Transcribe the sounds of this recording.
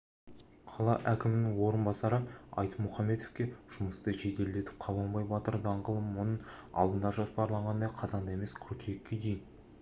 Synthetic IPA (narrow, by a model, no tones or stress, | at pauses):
qʰɑlˠɑ̰ʔækʲɪmɪnɪŋwo̞ɾənbɑsɑɾəɑ̰jt̪mʊχɑmːe̞t̪ofkʲe̞ʒ̥ʊməst̪əʒe̞d̪e̞ld̪e̞t̪ɪ̥p̚qʰɑβɑlˠbɑjbɑt̪əɾd̪ɑɴʁəlˠəmwo̞nəɴɑ̰lˠd̪ənd̪ɑʒospɑɾlˠɑɴʁɑnd̪ɑqʰɑzɑnd̪ɑe̞me̞skʲʰʊɾkʲʰekʲːed̪ejɪn